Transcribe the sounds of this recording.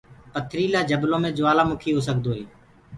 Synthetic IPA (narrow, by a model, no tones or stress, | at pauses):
pət̪ʰɾiːlaːd͡ʒəblõːmẽːd͡ʒoaːlaːmʊkʰiːɦoːs̬əkd̪oːɦeː